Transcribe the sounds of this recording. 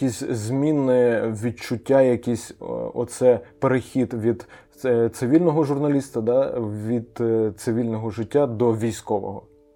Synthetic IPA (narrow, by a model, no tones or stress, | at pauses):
kʲisʲzʲmʲinɪʋʲid̪̚t͡ʃʊtʲːajɐkʲisʲɔ̰t̪sɛpeɾexʲid̪ʋʲid̪ | t̪sɪʋʲilʲnɔɦɔʒʊrnɐlʲist̪ɐd̪ɑʋʲid̪t̪sɪʋʲilʲnɔɦɔʒɪtʲːad̪ɔʋʲijsʲkɔʋɔ̰ɦɔ